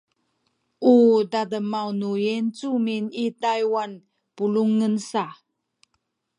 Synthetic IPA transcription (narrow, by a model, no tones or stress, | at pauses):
ʔudadəmawnujent͡suminitajwan | puluŋənsa